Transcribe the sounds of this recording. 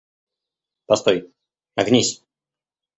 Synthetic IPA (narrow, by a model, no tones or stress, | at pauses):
pɐst̪oj | nɐɡnʲisʲ